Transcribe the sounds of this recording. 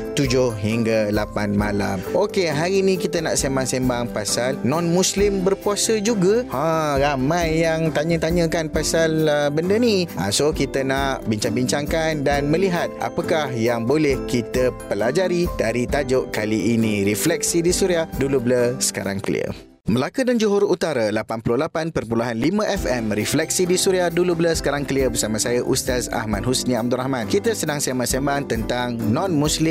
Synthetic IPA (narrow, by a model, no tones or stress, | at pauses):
t̪ud͡ʒʊhɦiŋɡalapanmala̰mʔokeɦaɾinĩkit̪əna̰ʔsemaŋsembaŋpasalnɔ̃nmũslɪmbərkuasəd͡ʒuɡaãɾamãjːaŋt̪aɲə̃t̪aɲə̃kanpasalbəndəniʔã̰sokit̪ənaʔbiɲt͡ʃaŋbiɲt͡ʃaŋkandanmə̃liɦat̪̚a̰pəkahjaŋbolɛhkit̪əpəlad͡ʒaɾidaɾit̪ad͡ʒʊʔkaliːnĩɾiflɛk̚sidisuɾiahdulubləsə̥ka̰ɾa̰ŋkəlḭə̰ | məlakudand͡ʒuɦʊɾut̪aɾalapanpulʊhlapanpərpulaɦanlimə̃ʔɛfɛmɾiflɛk̚sidisuɾiahdulubləsə̥kaɾaŋkəliəbərsamãsajaʔust̪asa̰hmãnɦusnĩab̚d̪uɾahmãnkit̪əsənãŋsamasambaŋt̪ənt̪aŋnɔ̃nmũslɪ